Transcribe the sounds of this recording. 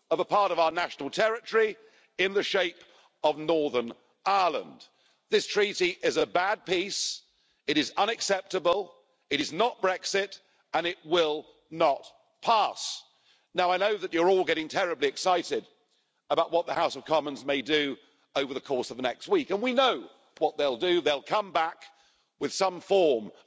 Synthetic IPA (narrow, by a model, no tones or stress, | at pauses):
ʌvəpʰɑɹɾʌvaʊə˞næʃn̩l̩ˠtʰɛɹɨti | ɪ̃nðɨʃeɪp | ʌvnɔɹðə˞n | aɪəlˠə̰̃n | ðɪstʰɹ̥iɾiʔɪzɨbæd̚pis | ɨɾɨzʌ̃ñɨksɛp̚tɨbəlˠ | ɨɾɨznət̚b̥ɹɛksɪɾ | ə̃nɪt̚wɪlˠ | nət̚ | pʰæs | naʊaɪnoʊðɨt͡ʃə˞ɔlˠɡɛɾɪ̃ŋtʰɛɹɨbliɨksaɪɾɪɾ | əbaʊʔ̚wʌt̪̚ðəhaʊsʌv̥kʰɑmə̃nzmeɪdɨ | oʊvə˞ðɨkʰɔɹsʌvðənɛkst̚wikɨ̃nwinoʊ | wʌt̪̚ðeɪlˠdɨðeɪlˠkʰʌ̃mbæk | wɨð̥sʌ̃ɱfɔɹm